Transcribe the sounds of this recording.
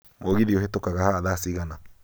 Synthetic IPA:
moɣiðioɦetokaɣahaːðasiɣana

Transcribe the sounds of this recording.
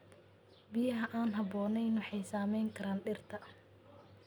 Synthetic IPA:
bɪjɐɦɐʔaːnɦɐbɔːnɛjnħɑjsaːmɛjŋkʰɐɾaːnɖɪrt̪ʰɐ

